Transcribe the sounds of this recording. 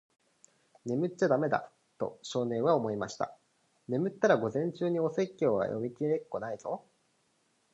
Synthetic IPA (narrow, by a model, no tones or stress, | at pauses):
ne̞mɯ̟t͡ɕːad̪ame̞d̪a̰ | t̪o̞̰ɕo̞ːnẽ̞ɰ̃β̞ao̞mo̞imaɕi̥t̪a̰ | ne̞mɯ̟t̪ːaɾaɡo̞zẽ̞ɲ̟t͡ɕɨːɲ̟io̞se̞kʲːo̞ːβa̰jʔo̞̰mʲikʲie̞kːo̞naiz̥o